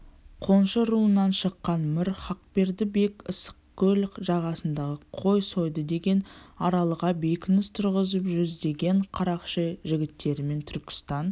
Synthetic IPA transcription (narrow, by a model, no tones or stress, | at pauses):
qʰo̞nʃəɾuənːɑnʃəqːɑnmɪɾχɑq̚pe̞ɾd̪ɪbe̞kʲəsə̥qkʲʰːɵlkʒɑʁɑsənd̪ɑʁəqʰo̞jso̞jd̪əd̪e̞ɡʲe̞nɑɾɑlˠəʁɑbe̞jkʲɪnɪst̪ʰʊɾʁəzəpʒʏzd̪e̞ɡʲe̞ɴqʰɑɾɑqʃəʒɪɡʲɪt̪ːe̞ɾɪme̞nt̪ʰʏɾkʲʰɪ̥st̪ɑn